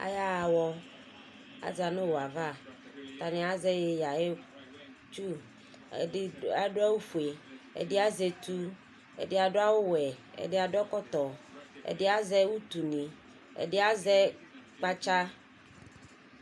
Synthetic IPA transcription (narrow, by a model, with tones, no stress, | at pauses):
a̰˨ja˦˨wɔ˦ | a̰˨d͡ʒa˨nẽ˦wo˨a˨va˦˨t̪a˨nẽ˨a˨zɛ˦je˨ja˨e˦ | t͡ʃu˦˨˦ | a˦ɖo˦a˦wo˦fu˨e˨ḛ˨dɪ˦a˦ze˨t̪u˦ | ḛ˨dɪ˦a˨ɖo˦a˦wo˦wɛ˨ḛ˨dɪ˦a˨ɖʊ˦ɔ˦kɔ˦t̪ɔ˨ḛ˨dɪ˦a˦zɛ˦wu˦t̪u˨nĩ˨ | ḛ˨ɖɪ˦a˦zɛ˦k͡pa˦t͡ʃa˦